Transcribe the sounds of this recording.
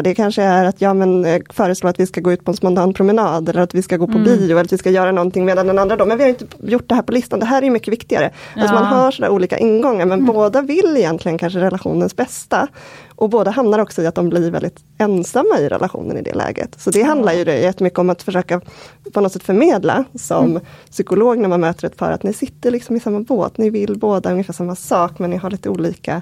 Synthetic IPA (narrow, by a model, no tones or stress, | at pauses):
d̪ɛkʰanʂəæɾat̪jɑːmɛnfœːɾəsloːɾat̪vɪskaɡoːʉ̟ːt̪pɔɛnsmant̪ɑːnpʰɾʊmɛnɑːd̪ɛlːəɾat̪vɪskaɡoːpʰɔbiːʊɛlːɾat̪vɪskajœːɾanɔnt̪ɪŋmeːd̪and̪ɛnand̪ɾad̪ɔmːɛnvɪhaɾɪnt̪əjʊʈ̚ːd̪ɛɦæːɾpɔlɪst̪and̪ɛɦæːɾɛɾjɵmʏkːəvɪkt̪ɪɡa̰ɾə̰alsɔmanɦaʂɔnæ̰ːɾʔuːliːka̰ʔɪnːɡɔŋːaɾmɛnboːd̪avɪlːɪjɛnt̪ʰlɪɡənkʰanʂəɾɛlaɧṵːnənsbɛst̪aʔɔboːd̪aɦamnaɾɔksɔɪat̪̚d̪ɔmbliɾvɛ̰ld̪ɪt̪ | ɛnsamːaɪɾɛ̰lʔaɧṵːnə̰nɪ̰d̪ɛ̰lɛ̰ːɡə̰t̪sɔd̪ɛɦand̪laɾjɵd̪ɛ̰jɛt̪ːəmʏkːəɔmat̪fœʂøːkapʰɔnɔt̪sɛt̪fœɾmeːd̪la̰sɔmsʏkʊloːɡnæɾmanmøːt̪əɾɛt̪pʰɑ̰ːɾa̰t̪nɪsɪt̪ːəɾɭɪksɔmɪsamːabo̰ːt̪nɪvɪlboːd̪aɵŋːəfæːʂamːasɑːkmɛnːɪɦaɭiːt̪əuːliːka̰